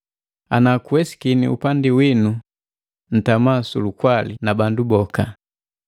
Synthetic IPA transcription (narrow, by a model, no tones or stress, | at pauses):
a̰nakuwɛsi̥kinḭṵpandiwinu | n̩tamasulukwalinabandubɔka